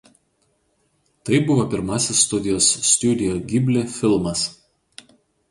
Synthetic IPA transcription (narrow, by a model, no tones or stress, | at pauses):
t̪ɐɪbʊʋopʲɪɾmɑsʲɪsːt̪ʊd̪ʲɪjoːsːʲt̪ʲud̪ʲɪjoɡʲɪbʲlʲɪfʲɪlˠmɐs